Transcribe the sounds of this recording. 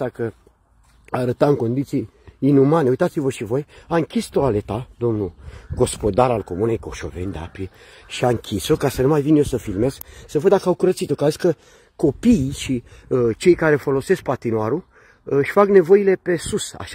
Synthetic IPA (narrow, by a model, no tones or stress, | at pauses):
akə | aɾət̪amɨŋko̞nd̪it̪sijː | numaneujt̪at̪sivəʃivo̞jaɨŋkʲist̪oale̞t̪ad̪o̞mnuɡo̞spo̞d̪aɾalko̞mune̞jko̞ʃo̞̰ve̞̰nd̪ea̰pi | ʃiaɨŋkʲiso̞kasənumajvinjosəfilme̞zksəvəd̪d̪akəawkuɾət̪sit̪okaziskə | ko̞piːʃit͡ʃe̞jkaɾe̞fo̞lo̞se̞sk̚pat̪inoaɾu | ɨʃʲfakne̞vo̞ile̞pe̞susa̰ʃ